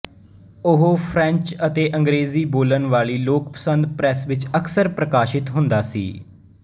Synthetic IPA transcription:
ʊɦoːpʰɾɛ̃ɲt͡ʃət̪eːʔə̃ŋɡɾeːziːboːlənʋaːɭiːloːkpə̥sənd̪pɾɛsʋɪt͡ʃəksəɾpɾəkaːʃɪt̪ɦʊ̃nd̪aːsḭː

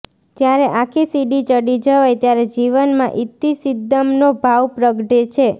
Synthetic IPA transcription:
tjaɾeʔakʰisiɖit͡ʃəɽid͡ʒəʋajt̪jaɾed͡ʒiʋənmã̰ʔit̪ːisid̪ːəmnobʱaʋpɾəɡʈet͡ʃʰe

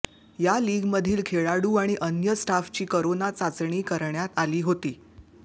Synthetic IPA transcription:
jaliːɡməd̪ʱiːlkʰeɭaɽuːaɽ̃iʔənjəsʈaft͡ɕiːkəɾonat͡sat͡sɳ̃iːkəɾɳjat̪aliːɦot̪iː

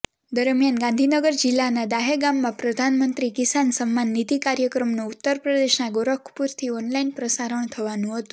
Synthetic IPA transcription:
d̪əɾmjanɡãnd̪ʱinəɡəɾd͡ʒilːanad̪aɦeɡamːãpɾəd̪ʱanmənt̪ɾikisansəmːanːit̪ikaɾjəkɾəmnuut̪ːəɾpɾəd̪eʃnaɡoɾəkʰpuɾt̪ʰiɔnlainpɾəsaɾəɳ̃t̪ʰəʋanũɦət̪ũ̥

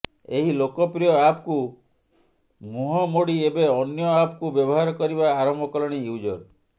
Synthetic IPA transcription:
eɦilokɔpɾijɔapku | muɦɔmoɽiebeɔnjɔapkubjɔbɔɦaɾɔkɔɾibaːɾɔmɔkɔlɔɽ̃ijud͡ʒɔɾ

